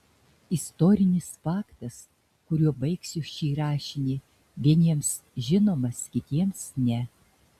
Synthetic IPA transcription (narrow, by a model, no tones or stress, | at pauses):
ɪst̪oːɾʲɪnʲɪsfɑːkt̪ɐs | kʊɾʲuɔbɐɪksʲɪʃt͡ʃʲiːɾɑːʃʲɪnʲiː | ʋʲiɛnʲiɛms | ʒʲɪnoːmɐskʲɪt̪ʲiɛmsnʲɛ